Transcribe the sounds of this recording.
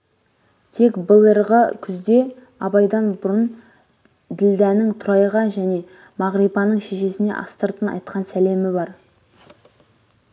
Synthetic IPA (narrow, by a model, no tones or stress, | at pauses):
t̪ʰe̞kbəlˠəɾʁəkʲʰʏzd̪e̞ | ɑbɑjd̪ɑnbʊɾən | d̪ɪld̪ænɪŋt̪ʰʊɾɑjʁɑʒæne̞ | mɑʁɾijpɑnəɴʃe̞ʃe̞sɪne̞̰ʔɑ̰st̪əɾt̪ənɑ̰jt̪qɑnsæle̞mɪbɑɾ